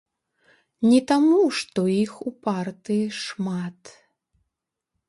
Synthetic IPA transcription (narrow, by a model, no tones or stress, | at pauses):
nʲɛt̪amuʂt̪ɔixupart̪ɨjiʂmat̪